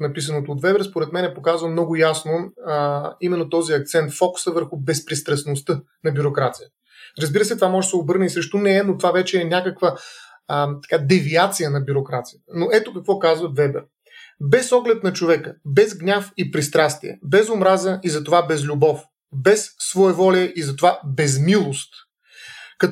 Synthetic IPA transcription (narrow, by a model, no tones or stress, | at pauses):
nɐpis̬ənot̪oːt̪vɛbɛɾspoɾɛt̪mɛnɛpokazvəmnɔɡʊjasno | imɛnːot̪ɔziɐk̚t̪sɛnt̪fɔksəvəɾxʊbɛspɾist̪ɾɐsnost̪ɤ | nɐbʲjuɾokɾat̪sijə | ɾɐzbiɾəsɛt̪ovamɔʒsɛobɤɾnəisɾɛʃt̪unɛɛnot̪ovavɛt͡ʃɛːnʲakəkvə | t̪ɐ̥kad̪ɛviat̪sijənɐbjuɾokɾat̪sijət̪ənoʔɛt̪okɐkvɔkazvəvɛbɛ̰ɾ | bɛsɔɡlɛt̪̚nɐt͡ʃovɛkəbɛzɡnʲafipɾist̪ɾast̪iɛ̰bɛzʊmɾazəʔizɐt̪ovabɛzlʲubɔf | bɛsːvoɛvɔlʲɛʔizɐt̪ovabɛzmilˠost̪ | kɐt